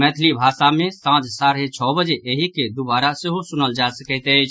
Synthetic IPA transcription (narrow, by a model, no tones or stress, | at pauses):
mɛt̪ʰlibʱasamẽsãt͡ʃsaɾɦet͡ʃʰɔbəd͡ʒeʔeɦiked̪ubaɾaseɦosunəld͡ʒasəkət̪əɪt͡ʃʰ